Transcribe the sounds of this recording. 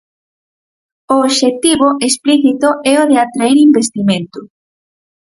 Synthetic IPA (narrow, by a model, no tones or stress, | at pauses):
oːβʃet̪iβʊʔespliθit̪oʔɛoðeat̪ɾaɛɾimbest̪imẽnt̪ʊ